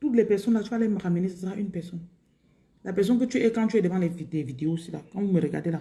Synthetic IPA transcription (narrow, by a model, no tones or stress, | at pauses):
t̪utlɛpɛʁsɔ̃nlatyalɛmaʁamenesəsəʁaʔynpɛʁsɔn | lapɛʁs̬ɔ̃nk̬ət̪yɛkãt̪yɛdəvãlɛvidɛvid̪eosila̰kãvuməɾəɡa̰ʁdela